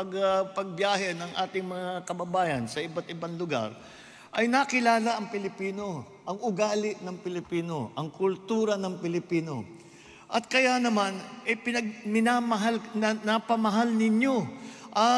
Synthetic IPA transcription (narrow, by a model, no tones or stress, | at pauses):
pɐɡpɐɡ̚bjaːɦɛnɐŋʔaːt̪ɪŋmɐŋakɐbɐbaːjɐnsɐʔɪbat̪ɪbaŋlʊɡa̰ɾ | ʔɐjnɐkɪlaːlɐʔɐŋpɪlɪpiːno̞ | ʔɐŋʊɡaːlɪʔnɐŋpɪlɪpiːno̞ʔɐŋkʊlt̪uːɾɐnɐŋpɪlɪpiːno̞ | ʔɐt̪̚kɐjanɐmanʔɛpɪnɐɡ̚mɪnamɐɦalɐnɐpɐmɐɦalnɪɲo̞ʔɐ